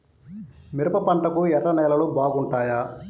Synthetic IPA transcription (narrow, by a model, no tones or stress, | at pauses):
miɾɐpɐpɐɳʈɐkuɛɾːɐnɛːlɐlubaːɡuɳʈaːjaː